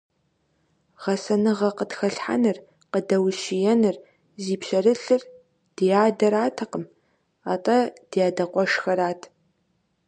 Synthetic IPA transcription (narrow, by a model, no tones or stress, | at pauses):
ʁɐsɐnɨʁɐqətxɐɬħa̰nɨr | qədɐwɕijɛnɨr | ziːpɕɐrɨɬɨr | d̥ijaːdɐɾaːtʰɐqəm | aːtʼɐd̥jaːdɐqʷʼɔʂxɐɾaːtʰ